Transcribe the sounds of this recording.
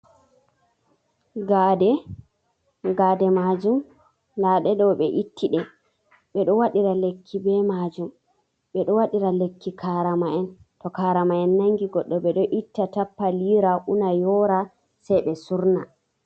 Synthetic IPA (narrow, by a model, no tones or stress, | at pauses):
ɡaːdɛ | ɡaːdɛmad͡ʒum | ndaɗɛdɔɓɛʔitʰːiɗɛ | ɓɛɗɔwaɗiɾalekʰːibɛmad͡ʒum | ɓɛɗɔwaɗiɾalekʰːikʰaɾamaɛntɔkaːɾamaɛnːaŋɡiɡɔɗːɔɓɛɗɔʔitːatapːaliːɾaʔunajɔɾa | sɛjɓɛsuɾna